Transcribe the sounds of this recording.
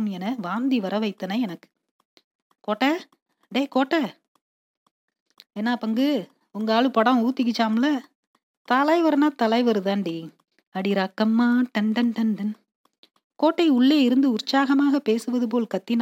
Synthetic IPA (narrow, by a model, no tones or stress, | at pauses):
mɛnɐʋaːnd̪iʋɐɾɐʋɐɪt̪ːɐnɐɛnɐkːɯ̥ | koːʈːɐ | ɖeːkoːʈːɐ | eːnːaːpɐŋɡɯ | ʊŋɡɐaːɭɯpɐɽɐ̃uːt̪ːɪk̬ːɪt͡ʃːaːmɐlɐ | t̪ɐlɐɪʋɐɾɐnaːt̪ɐlɐɪʋɐɾɯðaːɳɖi | ɐɽiɾaːkːɐmːaːʈɐɳɖɐnʈɐɳɖɐn | koːʈːɐɪʊɭːeːɪɾɯnd̪ɯʊɾt͡ʃːaːɣɐmaːɣɐpeːsɯʋɐðɯp̬oːlkɐt̪ːin